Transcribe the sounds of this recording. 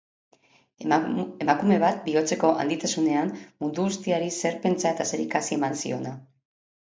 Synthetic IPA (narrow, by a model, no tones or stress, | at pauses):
emakume̞β̞at̪̚bio̞t͡se̞ko̞ʔa̰nd̪it̪asune̞ammund̪uɣust̪iaɾise̞ɾpe̞nt͡sae̞t̪ase̞ɾikasie̞mansḭo̞̰na